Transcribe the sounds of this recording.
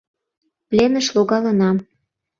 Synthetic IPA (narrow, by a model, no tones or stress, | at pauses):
plʲenəʃloɣɑlə̆nɑm